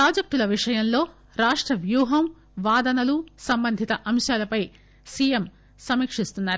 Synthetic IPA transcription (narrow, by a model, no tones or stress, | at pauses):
pɾaːd͡ʒɐk̚t̪ulɐʋiʂɐjɐnlo̞ː | ɾaːʂʈɾɐʋjuːɦɐm | ʋaːd̪ɐnɐlusɐmbɐnd̪ʱit̪ɐʔɐmʃjaːlɐpɐj | siːjem | sɐmiːkʂist̪unːaːɾu